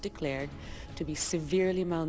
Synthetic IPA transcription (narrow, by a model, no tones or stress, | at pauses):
d̥ɨkʰl̥ɛɹd̚tʰɨbisɨvɪɹlimãn